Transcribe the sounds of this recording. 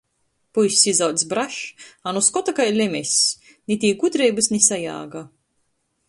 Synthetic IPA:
pujsʲsizawt̪sbɾaʃanuskɔt̪akajlʲemʲɛsʲ | nʲit̪ʲiːɡut̪ɾejbɨsnisaja̰ːɡa

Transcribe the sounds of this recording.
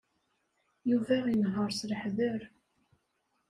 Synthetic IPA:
juvæjnɦəɾˤsləħðəɾ

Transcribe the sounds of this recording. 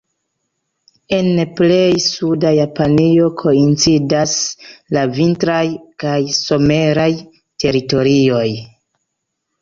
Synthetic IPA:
e̞nple̞jsudajapanio̞kʰo̞int͡sidaslavintɾajkajso̞me̞ɾaj | te̞ɾito̞ɾio̞j

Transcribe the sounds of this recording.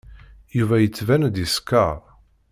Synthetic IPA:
juvæjət͡sːvænd̪iskːɑɾˤ

